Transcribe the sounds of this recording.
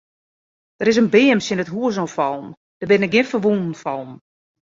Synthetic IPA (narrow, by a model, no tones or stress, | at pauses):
d̥əɾɪs̬ənbɪːəmsjɪnətɦuəs̬ɔfɔlˠm | d̥əbɪnɪk̚ɡɪnfərʋundn̩fɔlˠm